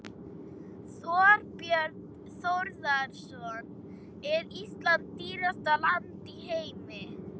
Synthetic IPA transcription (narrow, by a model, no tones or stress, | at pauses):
svɔːɾpjœɾt̪ | θowɾðaɾsɔn | ɪðist̪lant̪iːɾast̪alant̪iheːjmɪ